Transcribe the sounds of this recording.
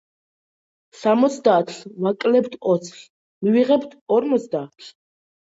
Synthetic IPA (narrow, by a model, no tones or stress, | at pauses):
samɔt̪sʰd̪aːt̪ʰlvakʼlɛbt̪ʰɔt̪sʰɬ | miviʁɛbt̪ʰɔɾmɔt̪sd̪aːt̪ʰl